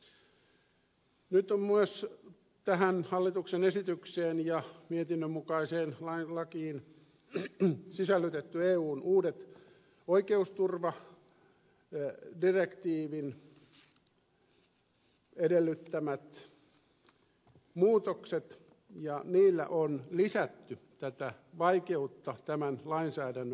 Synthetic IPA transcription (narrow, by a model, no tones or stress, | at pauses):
nyt̪ommyøs | t̪æhænhɑlːit̪uksenesit̪ykseːnjɑmiet̪inːømːukɑiseːnlɑilɑkiːn | sisælːyt̪et̪ːyeːuːnuːdet̪ | oikeust̪urʋɑ | direkt̪iːʋin | edelːyt̪ːæmæt̪ | muːt̪okset̪ | jɑniːlːæ̰ʔonlisæt̪ːy | t̪æt̪æʋɑikeut̪ːɑt̪æmænlɑinsæːdænːø